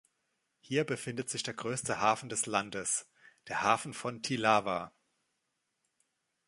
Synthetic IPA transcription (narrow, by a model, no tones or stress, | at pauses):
hiːɐbəfɪndətz̥ɪçd̥eːɐɡʁøːstəhaːfn̩dɛslandəs | d̥eːɐhaːfn̩fɔntʰilaːva